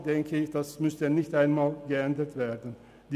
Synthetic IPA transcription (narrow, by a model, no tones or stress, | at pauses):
d̥ɛŋkʰəɪçd̥asmʏstənɪçtaɪnmaːlɡəɛndətv̥eːɐdən̩ | d̥i